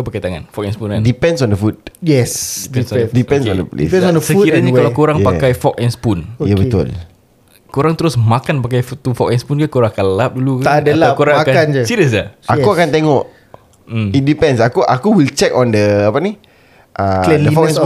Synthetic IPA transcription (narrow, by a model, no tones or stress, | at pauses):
pakajt̪aŋa̰nfɔk̚ɛnspunkandipɛ̃nsɔ̃ndəfut̪̚jɛsdipɛnsɔddipɛ̃nsɔ̃ndənsɔ̃ndəsəukiɾaɲaalawkoɾaŋpakajfɔk̚ɛnspunojabət̪ʊ̰l | koɾaŋt̪əɾʊsmakanpak̬ajfut̪ufɔk̚ɛnspunkakoɾaŋakanləlap̚duluk̪adəalakoɾaŋaakanand͡ʒəsiɾəs̬aʔakuakant̪eŋɔʔ | m̩it̚dipɛnsakuʔakuwilt͡ʃɛkɔ̃ndəapani | ʔalɛəifɔɛ